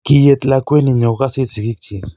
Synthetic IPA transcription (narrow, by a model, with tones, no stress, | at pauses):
kije˧t̪lakʷe˦ni˧ɲo˨ka˦si˦t͡si˨ki˦k̚t͡ʃi